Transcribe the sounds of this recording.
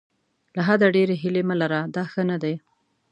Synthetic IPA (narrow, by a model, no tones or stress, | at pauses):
laɦad̪aɖeɾeɦɪleməlaɾad̪ɑxənad̪aj